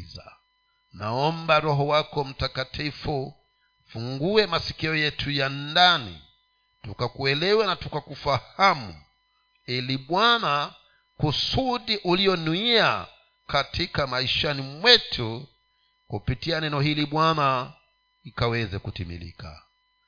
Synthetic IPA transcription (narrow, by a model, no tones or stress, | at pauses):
za̰ | na̰ɔmbaɾɔɦɔwakɔm̩takatʰifu | fuŋɡuɛmasi̥kiɔjɛtʰujandanḭ | tukakuɛlɛwɛnatukakufahamṵ | iliɓwana | kusuɗiʔuliɔnuia | katʰikamaiʃanimwɛtʰu | kupitianɛnɔhiliɓwana | likawɛzɛkutimḭlḭka̰